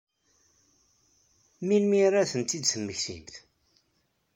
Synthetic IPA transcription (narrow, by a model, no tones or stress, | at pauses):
minmiɾæθənt̪ːid̪səmːəçθḭmθ